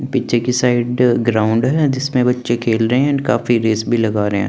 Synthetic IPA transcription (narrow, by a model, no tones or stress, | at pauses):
pitːt͡ʃʰekisaːɪɖɡɾaːʊ̃ɳɖɦɛd͡ʒɪsmẽbɐtːʃekʰeːlɾɐɦeɛ̃kaːfiɾeːsbʱilɐɡaːɾɐɦḛ̃ː